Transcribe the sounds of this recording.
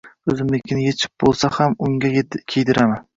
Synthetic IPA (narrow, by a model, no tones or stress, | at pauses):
ɵzɪmlɪkʲʰɪnɪjet͡ʃʰɪ̥p̚bolˠsahamʊŋɡʲakʲʰejd̪ɪɾaman